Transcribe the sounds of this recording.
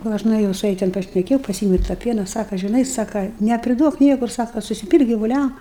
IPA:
ɡɐlˠ ˈɐʃ nʊɛˈjɛʊ sʊ ˈjɛ tʲɛn pɐʃʲnʲɛˈkʲeːjɛʊ pɐˈsʲiːɛmʲɛʊ ɪr tɑː ˈpʲiɛnɐ ˈsɑːkɐ ʒʲɪˈnɐɪ ˈsɑːkɐ nʲɛpʲrʲɪˈduɔk ˈnʲiɛkʊr ˈsɑːkɐ sʊsʲɪˈpʲiːlˠk ɡʲɪʋʊˈlʲɛm

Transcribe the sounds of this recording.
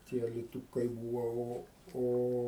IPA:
tʲiɛ ɐlʲɪˈtuːkɐɪ ˈbuːʋɐ ˈoː ˈoː

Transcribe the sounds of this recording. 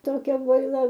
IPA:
toːˈkʲɛ boːɪˈlˠɐ

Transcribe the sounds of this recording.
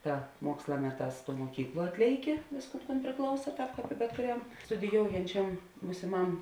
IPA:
ˈtɐ ˈmuɔkslˠɐ ˈmʲæːˌtɑːs tuɔ muɔˈkʲiːkˌlˠuɔ ˈɑːtʲlʲeːɪˌkʲɪ ˈʋʲeːsˌkuːn kuːn pʲrʲɪˈklˠɐʊsɐ ˈtɑːp bʲɛt kʊˈrʲɛm stʊdʲɪˈjoːʊjɛnʲt͡ʃʲɛm buːsʲɪˈmɐm

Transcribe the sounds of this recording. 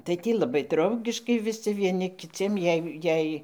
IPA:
tɐɪ ˈtʲiː lˠɐˈbɐɪ ˈdrɐʊɡʲɪʃkɐɪ ʋʲɪˈsʲɪ ʋʲiɛˈnʲɪ kʲɪˈt͡sʲiɛm ˈjɛɪ ˈjɛɪ

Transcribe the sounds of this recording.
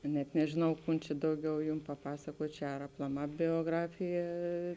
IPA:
kɐ nʲɛt nʲɛʒʲɪˈnɐʊ ˈkʊn t͡ʃʲɛ ˈdɐʊˌɡʲɛʊ ˈjʊm pɐˈpɑːsɐkuɔtʲ ˈt͡ʃʲɛ ɐr ɐplˠɐˈmɑː bʲoːˈɡrɑːfʲɪjɛ

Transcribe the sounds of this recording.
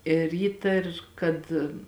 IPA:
ɪr ˈiːtɐr kɐt

